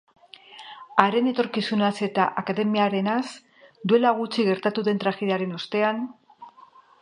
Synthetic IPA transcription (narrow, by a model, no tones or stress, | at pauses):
aɾe̞ne̞t̪o̞ɾkisunase̞t̪aʔakaðe̞miaɾe̞nas | d̪ue̞laɣ̞ut͡ʃiɣe̞ɾt̪at̪uðe̞nt̪ɾaxeðeaɾe̞nost̪e̞an